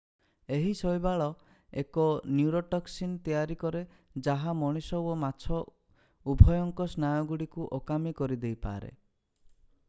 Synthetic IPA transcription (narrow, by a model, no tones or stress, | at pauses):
eɦisɔjbaɭɔ | ekɔnjuɾoʈɔksint̪ijaɾikɔɾe | d͡ʒaɦamɔɽ̃isɔwɔmat͡ʃʰɔ | ubʱɔjɔŋkɔsnajɔɡuɽikuʔɔkamikɔɾid̪ejpa̰ːɾḛ